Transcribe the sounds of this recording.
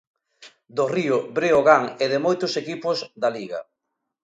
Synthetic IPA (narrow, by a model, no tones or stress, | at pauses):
d̪ʊriʊbɾeoɣaŋeðɪmojt̪ʊsekipʊzd̪aliɣɐ̰